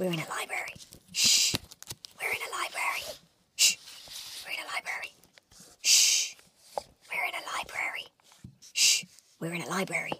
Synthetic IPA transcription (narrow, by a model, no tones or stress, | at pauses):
wiɹɨ̃nɨlaɪbɹɛɹiʃ | wiɹɨ̃nɨlaɪbɹɛɹi | ʃ | wɨɹɨ̃nɨlaɪbɹɛɹi | ʃ | wiɹɨ̃nɨlaɪbɹɛɹi | ʃ | wiɹɨ̃ñɨlaɪbɹɛɹḭ